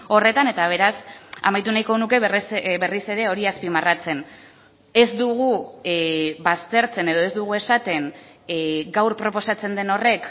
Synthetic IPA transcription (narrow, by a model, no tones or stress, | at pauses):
o̞re̞t̪ane̞t̪aβ̞e̞ɾasa̰majt̪unajko̞nuke̞βrsβe̞rise̞ɾe̞o̞ɾiaspimarat͡se̞n | e̞zd̪uɣu | βast̪e̞ɾt͡se̞ne̞ð̞o̞e̞zd̪uɣ̞ue̞sat̪e̞n | ɡawɾpɾo̞po̞sat͡se̞nd̪e̞no̞re̞k